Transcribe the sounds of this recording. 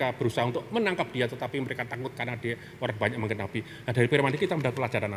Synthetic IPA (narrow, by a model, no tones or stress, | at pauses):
ab̥əɾusaɦaunt̪ʊk̚mənaŋkap̚d̥iat̪ət̪apiməɾekat̪akʊt̪̚karnad̥e | oɾaŋbaɲak̚məŋɡənab̥i | nadaɾipiɾmandikit̪aməndat̪plad͡ʒaɾana